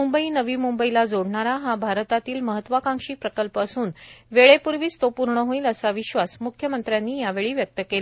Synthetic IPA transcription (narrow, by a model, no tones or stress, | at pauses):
umbəinəʋiːmumbəilad͡zoɽɳaɾaɦabʱaɾt̪at̪iːlməɦət̪ːʋakãŋkʂiːpɾəkəlpəsuːnʋeɭepuɾʋiːst̪opuɾɳəɦõiːləsaʋiɕʋasmukʰjəmənt̪ɾjanːiːjaʋeɭiːʋjək̚t̪əkel